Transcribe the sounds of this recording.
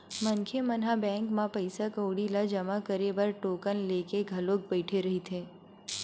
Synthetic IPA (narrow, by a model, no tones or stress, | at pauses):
mɐŋkʰemɐnɦabɛ̃ːŋkmãpəɪsakəːɽilad͡ʒɐmakəɾebɐɾʈoːkənleːkeɡʱɐloːk̚bɛɪʈʰeɾɐɦit̪ʰeː